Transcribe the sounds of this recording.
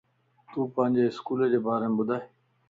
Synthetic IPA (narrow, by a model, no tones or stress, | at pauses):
t̪uːpãːɲd͡ʑeːɪskuːled͡ʑeːbaːɾeːmebʊd̪ʱaːe